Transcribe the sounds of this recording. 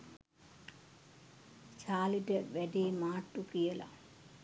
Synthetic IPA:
t͡ʃaːliʈəʋæɖeːmaːʈːukijəla̰

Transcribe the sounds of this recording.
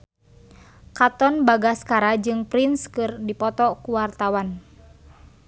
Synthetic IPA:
kat̪ɔnbaɡaskaɾad͡ʒɨŋpɾinskɨrdipɔt̪ɔkuwart̪awan

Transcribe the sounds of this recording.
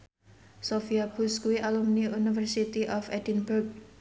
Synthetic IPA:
sofiaɡ̥uskuwiʔalumniunifərsit̪iʔɔfɛdinbʊrk̚

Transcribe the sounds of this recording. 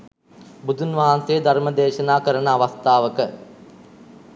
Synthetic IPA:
bud̪ʱunʋaɦansejəd̪ʱɐɾmɐd̪eːʃɐnaːkəɾənəːʋɐst̪aːʋəkə

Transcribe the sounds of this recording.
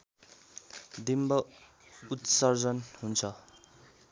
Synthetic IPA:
d̪imbʌ | ut̪sʌrd͡zʌnɦunt͡sʰʌ

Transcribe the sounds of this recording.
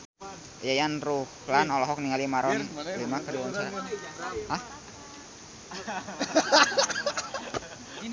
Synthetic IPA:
jajanruhlanɔlɔɦɔk̚niŋalimaɾɔnlimakəduwɔnt͡ʃa | ah

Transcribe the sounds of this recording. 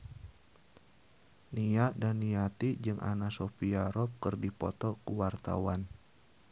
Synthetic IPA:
niadanːiat̪id͡ʒɨŋʔa̰nasopiaɾɔp̚kɨrdipɔt̪ɔkuwart̪a̰wan

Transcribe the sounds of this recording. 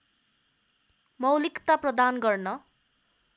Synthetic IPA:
mʌwlikt̪aprʌd̪anɡʌrnʌ

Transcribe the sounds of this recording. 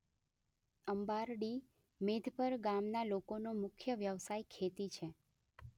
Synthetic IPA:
əmbaɾɖi | med̪ʱpəɾɡamnalokonomʊkʰjəʋjəʋsajkʰet̪it͡ʃʰe

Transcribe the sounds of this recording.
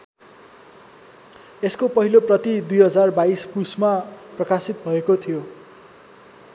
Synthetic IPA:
eskopʌɦiloprʌt̪id̪ujɦʌd͡zarbaispusmaprʌkasit̪̚bʱʌekot̪ʰijo

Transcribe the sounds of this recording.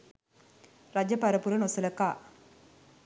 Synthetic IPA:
ɾɐd͡ʑɐpɐɾɐpuɾɐnosɐlɐkːa

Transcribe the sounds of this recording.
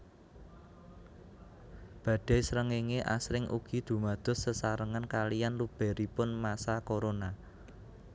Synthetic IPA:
b̥ä̤d̥ɛ̤sɾəŋeŋeʔa̰sɾɪŋʔṵɡ̥i̤d̪̥ṳmad̪̥ɔ̤ssəsaɾəŋənkalijanlub̥ɛ̤ɾipʊnmasakoɾona

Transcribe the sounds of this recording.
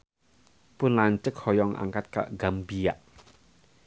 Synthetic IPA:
pʊnlaɲt͡ʃək̚hɔjɔŋʔa̰ŋkat̪̚ka̰ʔɡambija̰ʔ

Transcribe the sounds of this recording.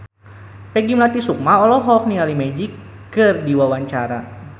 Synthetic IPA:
pɛɡimlat̪isuk̚maɔlɔɦɔknialimɛd͡ʒikː | ɨrdiwawaɲt͡ʃaɾa̰

